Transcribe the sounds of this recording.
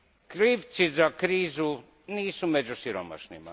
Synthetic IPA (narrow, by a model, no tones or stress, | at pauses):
kɾiːʋt̪sizakɾiːzu | niːsumed͡ʒusiɾo̰ma̰ʃnima̰